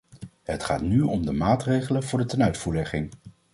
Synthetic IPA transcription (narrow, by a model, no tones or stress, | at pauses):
ɦətχa̰ːtnyɔmdəmaːtrejχələvʊːɹdətɛnœɥtfuːɹlɛχɪŋ